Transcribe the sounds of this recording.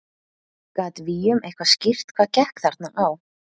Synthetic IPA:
kat̪vijʏmejhkvascɪr̥t̪kʰvaːcɛhkθaɾt̪naʔaːw

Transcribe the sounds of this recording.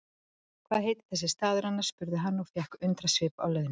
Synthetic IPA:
kʰv̥aːðɦeːjt̪ɪ̥θɛsːɪst̪aːðʏɾanːaɾ̥spʏɾðʏɦanːɔfjɛhkʏnt̪ɾasvɪːpa̰wlœːðɪn

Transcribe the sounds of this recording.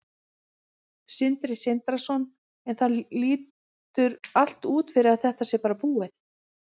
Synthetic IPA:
sɪnt̪ɾɪsɪnt̪ɾasɔn | ɛnθaliːt | ʏɾal̥t̪uːt̪fɪɾɪɾaðθɛht̪asjɛpaːɾapuːɪθ

